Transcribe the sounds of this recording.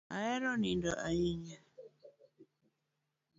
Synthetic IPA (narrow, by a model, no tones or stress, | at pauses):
a̰ɛɾɔnindɔʔaiɲa